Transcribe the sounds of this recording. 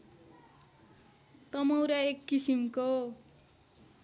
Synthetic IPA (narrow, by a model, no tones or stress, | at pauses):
t̪ʌmowɾaekːisimko